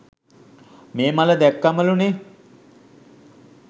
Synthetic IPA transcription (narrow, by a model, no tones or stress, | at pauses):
meːmaləd̪ɛkːaməlune